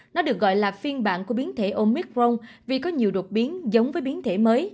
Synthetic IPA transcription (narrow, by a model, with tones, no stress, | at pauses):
nɔ˨˦ɗɨ˨˩ək̚ɣɔ̰˧˨jlaː˨˩fi˧ənɓa̰ː˧˨nku˧˩əɓi˨˦ənt̪ʰe˧˩ʔo˧mi˦˥k̚zo˧ŋ͡mvi˨˩kɔ˨˦ɲi˨˩əwɗo˨˩t̚ɓi˨˦ənzə˨˦wŋ͡mvəː˨˦jɓi˨˦ənt̪ʰe˧˩məː˨˦j